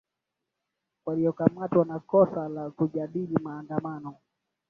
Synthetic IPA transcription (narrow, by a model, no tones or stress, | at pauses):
waliɔkamatwanakɔsalakuʄaɗilimaːndamanɔ